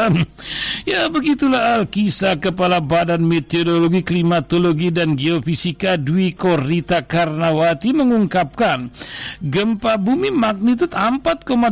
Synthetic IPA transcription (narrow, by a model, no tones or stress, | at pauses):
jabəɡit̪ulahalkisakəpalabadanmet̪odoloɡiklimat̪oloɡidanɡeofisikaduikorit̪akarnawat̪iməŋuŋkap̚kanɡəmpabumimak̚nit̪ut̪ampat̪̚koma